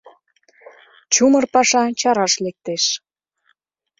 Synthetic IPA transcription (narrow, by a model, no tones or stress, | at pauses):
t͡ɕumərpɑʃɑt͡ɕɑɾɑʃlek̚t̪eʃ